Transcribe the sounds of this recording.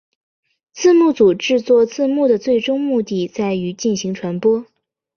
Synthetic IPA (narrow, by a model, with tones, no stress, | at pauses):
t͡sʰɹ̩˥˧mu˥˩t͡su˨˩ʈ͡ʂɻ̩˥˧t͡swɔ˥˧t͡sʰɹ̩˥˧mu˥˩d̪ə˩t͡swe˥˩ɪʈ͡ʂʊ˥ŋmu˥˧t̪i˥˩t͡sa˥˩ɪy˧˥t͡ɕi˥˩nɕi˧˥ŋʈ͡ʂʰwa˧˥npwɔ˥